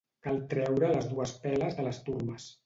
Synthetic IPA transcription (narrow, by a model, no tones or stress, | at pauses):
kalˠt̪ɾɛwɾələzðuəspɛləzðələst̪urməs